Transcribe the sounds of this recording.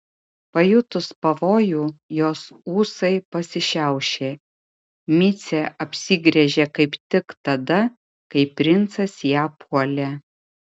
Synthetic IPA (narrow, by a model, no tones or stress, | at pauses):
pɐjʊt̪ʊspɐʋoːjuːjoːsuːsɐɪpɐsʲɪʃʲæˑʊʃʲeː | mʲɪt̪sʲeʔɐpʲsʲiɡɾʲɛʒʲekɐɪpt̪ʲɪkt̪ɐd̪ɐ | kɐɪpʲɾʲɪnt̪sɐsjæːpuɔlʲe